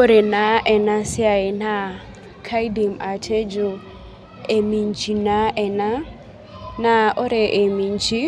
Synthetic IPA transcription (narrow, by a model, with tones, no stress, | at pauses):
o˦ɾɛ˨na˨˦ʔɛ˨na˦sɪ˦a˨e˨na˦ | kʰa˦jdi˨ma˨tʰe˦d͡ʒo˨ | e˨mi˨ɲd͡ʒi˨na˦ʔɛ˨na˦ | na˨o˦ɾɛ˨ʔe˨mi˨ɲd͡ʒi˦